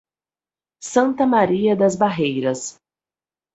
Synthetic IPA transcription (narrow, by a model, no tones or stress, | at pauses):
sɐ̃nt̪ɐmaɾiɐd̪ɐzbaɦejɾɐs